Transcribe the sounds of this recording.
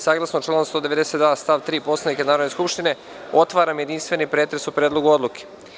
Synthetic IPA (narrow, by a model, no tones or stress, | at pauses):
saːɡlˠasnot͡ʃlonomst̪od̪eʋe̞d̪ese̞t̪d̪ʋaːst̪aʋt̪ɾiːpo̞slˠanikanaːɾod̪neskupʃt̪ine̞ | o̞t̪ʋaːɾamjed̪inst̪ʋe̞nipɾeːt̪ɾesupɾed̪loɡuo̞d̪luke̥